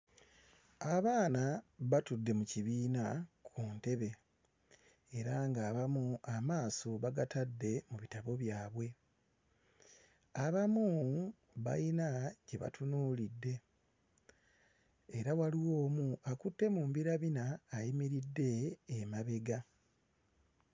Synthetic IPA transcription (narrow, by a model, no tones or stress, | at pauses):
aβaːnaβatudːe̞muciβiːnakʰunte̞βe̞ | eɾaŋɡaːβamuamaːso̞βaɡatadːe̞muβitaβo̞βjaːβwe̞ | aβamu | βa̰inaɟe̞βa̰tʰunuːlidːe̞ | ɾawaliwo̞ːmuakutːe̞muːmbiɾaβinaːjimiɾidːe̞ːmaβe̞ɡa